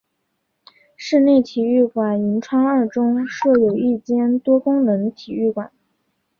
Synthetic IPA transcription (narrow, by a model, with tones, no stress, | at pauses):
ʂɻ̩˥˧ne˥˩ɪt̪ʰi˨˩y˥˩kwa˨˩ni˧˥nʈ͡ʂʰwɑ˥ŋə˞˥˩ʈ͡ʂʊ˥ŋʂɤ˥˩jo˨˩ʊi˥˩t͡ɕjɛ˥nt̪wɔ˥kʊ˥ŋnə˧˥ŋt̪ʰi˨˩y˥˩kwa˨˩˦n